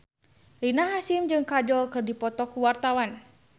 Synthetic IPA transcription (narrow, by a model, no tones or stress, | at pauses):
rinaɦasimd͡ʒɨŋkad͡ʒɔlkɨrdipɔt̪ɔkuwart̪awan